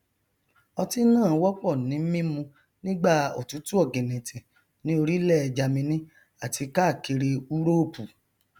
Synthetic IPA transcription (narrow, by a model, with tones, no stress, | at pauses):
ɔ˧ti˦nãː˦˨˦wɔ˦k͡pɔ˦˨nĩ˨˦mĩ˦mũ˧ | nĩ˦ɡ͡ba˦˨o̰˨tu˨˦tu˦ɔ˦˨ɡẽ˨nẽ˨tĩ˨ | nĩ˨˦o˧ɾi˦lɛ˦ɛ˧d͡ʒa˧mĩ˧nĩ˦ | a˦˨ti˧ka˦˨ke˧ɾe˧u˦ɾo˦o˦˨pu˨